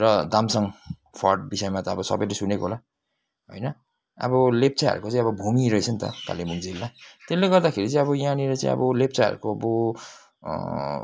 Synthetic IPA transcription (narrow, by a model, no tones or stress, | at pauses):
rʌd̪amsʌŋ | pʰʌrɖbisʌjmat̪ʌːbʌsʌ̰bʌjlesunekoɦola | ɦo̰jnʌ | ʌ̰bʌlep̚t͡saɦʌ̰ɾukot͡saĩʌbʌbʱumiɾʌit͡sʰʌnt̪ʌ̰ka̰limuŋd͡zilːat̪elːeɡʌrd̪akʰeɾit͡saĩʌβʌjaniɾʌt͡sã̰ḭ̃ʌ̰bʌlep̚t͡saʌ̰ɾṵkoʌbo